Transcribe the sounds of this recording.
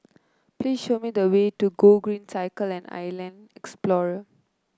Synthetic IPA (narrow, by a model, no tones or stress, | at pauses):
pliːsʃomid̪əwetuɡoɡɹĩnsaɪkəlɛ̃na̰jlɛ̃ndɛksplɔɹə